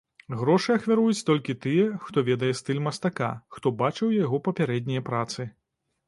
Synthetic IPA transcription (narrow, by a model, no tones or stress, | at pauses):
ɣɾɔʂɨɐxvʲaɾujut͡sʲt̪ɔlʲkʲit̪ɨjɛxt̪ɔvʲɛd̪ɐjɛst̪ɨlʲmɐst̪aka̰xt̪ɔbat͡ʂɨwjaɣɔpɐpʲaɾɛd̪ʲnʲijɐpɾat̪sɨ